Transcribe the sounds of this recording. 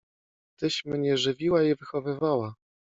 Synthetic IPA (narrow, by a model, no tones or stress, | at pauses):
t̪ɘɕmɲɛʐɘvʲiwaivɘxɔvɘvawa